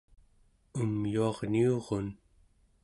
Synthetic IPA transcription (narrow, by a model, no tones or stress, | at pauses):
umjuɑʁnioʁon